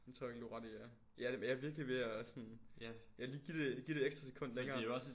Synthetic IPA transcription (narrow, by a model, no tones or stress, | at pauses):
ent͡sʰoɔ̰ɐ̰eɡluʁɑd̥iæ | jædemnjaʋiɐɡ̥liʋe̝æsɔnjɑliːɡ̥ide̝ɡ̥id̥e̝̥eɡsd̥ɐse̥kʰɔ̽n̰d̥leŋɐːejoɒs